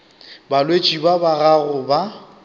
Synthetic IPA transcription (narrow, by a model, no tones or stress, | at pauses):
balwet͡ʃʼibabaɣaɣʊba